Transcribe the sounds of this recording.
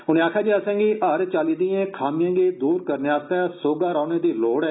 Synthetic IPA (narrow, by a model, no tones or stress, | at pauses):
ɦʊnẽːaːkʰjaːd͡ʒiːəsãːɡiʔəɾt͡ʃaːliːd̪iːẽːkʰaːmijãːɡeːd̪uːɾkəɾneaːst̪aːsoːɡaːɾaːneːd̪iːloːɽɛː